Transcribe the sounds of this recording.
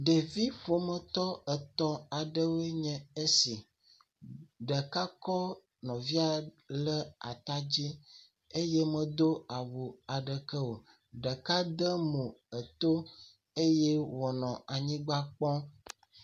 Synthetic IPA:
ɖe˨vi˦ɸo˨mə̃˨t̪ɔ˦ə˨t̪ɔ˦a˨ɖə˦wo˦e˦ɲɛ̃˨e˦si˨ | ɖə˨ka˦kɔ˦ | nɔ̃˨vi˦a˨ | lə˦a̰˨t̪a˦d͡ʑi˦ | e˦je˦mə̃˨d̪o˦a˨wu˨a˨ɖə˨kə˦wo˨ | ɖə˨ka˦d̪ə˦mo˨ə˨t̪o˦ | e˦je˦wɔ˨nɔ̃˨a˨ɲĩ˦ɡ͡ba˦k͡pɔ̃˦

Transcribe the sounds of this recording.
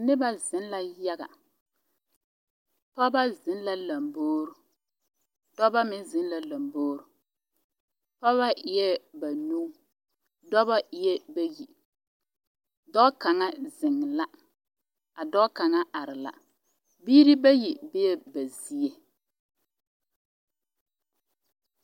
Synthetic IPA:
nɪ˦ba˦zɪ˦n˦la˦ja˦ɡa̰˨ | pɔ˦ba˦zɪ˨n˦la˦la˨mboː˦ɾu˨ | d̥ɔ˦ba˦mɪ˦nzɪ˦nla˨la˨mboː˦ɾu˨ | pɔ˦βa˦ɪ˨˦jɛ˦ba˨nu˦ | dɔ˦ba˦ɪ˦jɛ˦ba˦ji˨ | dɔ˦ka˨ŋa˦zɪ˨ŋː˨la˦ | a˨dɔ˦ʔka˨ŋa˦ʔa˨ɾɪ˨la̰˨ | biː˦ɾi˦ba˦ji˨bɪ˦jɛ˦ba˨zi˦je˦

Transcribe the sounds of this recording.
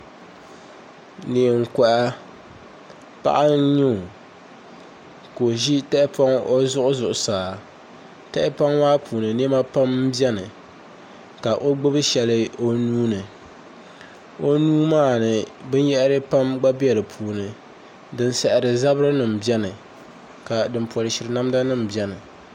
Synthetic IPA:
ne˨ŋ̩˨kɔ˨ʔa˦ | pa̰˦ʔa˦n˦ɲu˦˨ | ko˨ʒi˦tɛ˦ʔɪ˦pa˦ŋo˦zʊ˦ʔʊ˦zʊ˨ʔʊ˨saː˨ | tɛ˦ʔɪ˦pa˦ŋwaː˦pʰuː˨nɨ˨n˦e˦ma˦pa˦mbɛ˦nɨ˨ | ka˨ʔo˦ɡ͡bɨ˦bɨ˦ʃɛ˨lɨ˦o˦nuː˦nɨ˨ | o˦nuː˦maː˦˨nɨ˨bɨ˦n˦jɛ˦ʔɾɨ˦pa˦mɡ͡ba˦bɛ˨lɨ˨pʰuː˨nɨ˨ | dɨ˦nsɛ˨ʔɪ˨ɾɨ˨za˦bɾɨ˦nɨ˨m̩˨bi˦ɛ˦nɨ˨ | ka˨dɨ˨m˦pɔ˨ɾɨ˨ʃɪ˨ɾɨ˨na˦mda˦nɨ˦m̩˨bi˨ɛ˦nɨ˨

